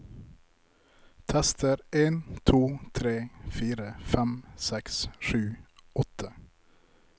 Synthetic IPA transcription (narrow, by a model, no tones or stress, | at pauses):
t̪ʰɛst̪əɾeːnt̪ʰuːt̪ʰɾeːfiːɾəfæmsɛksʃʉːɔt̪ʰə